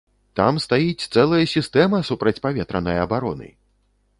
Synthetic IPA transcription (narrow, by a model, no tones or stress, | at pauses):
t̪amst̪ajit͡sʲt̪sɛlˠɐjɐsʲist̪ɛmɐsupɾɐt͡sʲpavʲɛt̪ɾɐnɐjɐbaɾɔnɨ̰